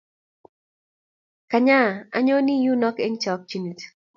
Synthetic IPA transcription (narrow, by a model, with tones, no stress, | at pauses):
ka˨ɲa˦˨a˦ɲo˦ni˦ju˦nɔ˦ke˦ɲt͡ʃa˨ɔ˦k̚t͡ʃu˦ni˨t